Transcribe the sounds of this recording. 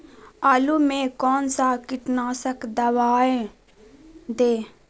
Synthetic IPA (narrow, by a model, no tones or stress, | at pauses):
aːlumẽkɔːnsakɪʈnaːsəkd̪ɐʋaːẽ | d̪eː